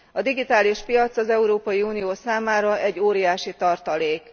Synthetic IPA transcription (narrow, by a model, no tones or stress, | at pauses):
ɒd̪iɡit̪aːliʃpijɒt̪sɒzɛuɾoːpɒjiuːnijoːsaːmaːɾɒʔɛɟːoːɾijaːʃit̪ɒrt̪ɒleːk